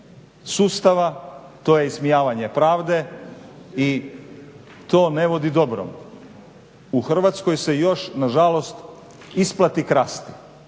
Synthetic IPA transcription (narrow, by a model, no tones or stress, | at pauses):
suːst̪aʋat̪o̞jeismijaːʋaɲe̞pɾaːʋd̪e̞ | i | t̪o̞ːne̞ʋo̞d̪id̪o̞bɾo̰m | uxr̩ʋat̪sko̞jse̞jo̞ʃnaʒalo̞st̪ | isplˠat̪ikɾast̪i̥